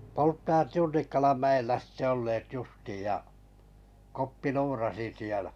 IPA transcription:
poltːɑjɑt junːikːɑlɑn mæelːæ sĭtːe olːeːt justiːj jɑ kopːi luːrɑsi sielæ̥

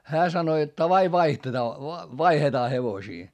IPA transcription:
hæː sɑno jot tɑʋɑi ʋɑihtetɑː ʋɑihetɑː heʋosiː

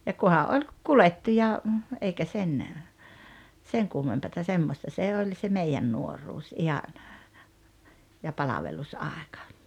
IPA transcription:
jɑ kuhɑ ʔolʲ kuletːiː jɑ eikæ sen seŋ kumːempɑtɑ semːostɑ se olʲ se meijæn nuoruːs ihɑn jɑ pɑlɑʋelusɑˑekɑ̥

